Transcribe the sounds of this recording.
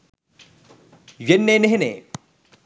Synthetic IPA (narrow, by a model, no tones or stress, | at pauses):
ɥenːeneɦene